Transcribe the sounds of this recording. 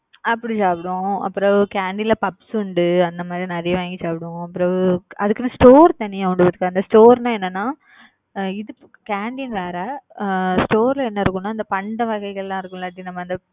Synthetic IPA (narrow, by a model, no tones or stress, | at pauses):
ɐpːɐɽit͡ʃaːpɪɽʊ̃ɐ̰pːɯɾɐ̃kaːɳɖilɐpɐpsʊɳɖɯɐnd̪ɐmaːd̪ɾinɐɾɪjɐʋaːŋɡit͡ʃaːpɪɽɯʊ̃ɐpːɯɾɐ̃ɐðɯkːɐnːɯsʈoːɾt̪ɐɳːɪjaʊɳɖɯpɐt̪ɯkːɯɐnd̪ɐsʈoːɾnãːɛnːɐnːaː | ɪðɯ | kaːɳɖinʋeːɾɐ | sʈoːɾlɐɛnːɐɪɾɯkːʊnːaːɪnd̪ɐpɐɳɖɐʋɐɣɐɪɣɐɭɛlãːɪɾɯkːʊ̃lɐʈːinɐmːɐɐnd̪ɐ